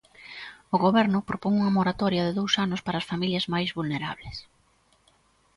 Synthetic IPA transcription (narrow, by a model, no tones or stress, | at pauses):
ʊɣoβɛɾnʊpɾopoŋuŋɐmoɾat̪ɔɾjɐðeðowsanʊspaɾɐːsfamiljɐzmajzβulneɾa̰βles